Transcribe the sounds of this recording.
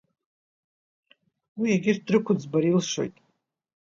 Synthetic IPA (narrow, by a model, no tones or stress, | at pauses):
wiaɡʲɪr̚ʰdrɨkʷʰʊd͡zbaɾilʂo̞̰jtʼ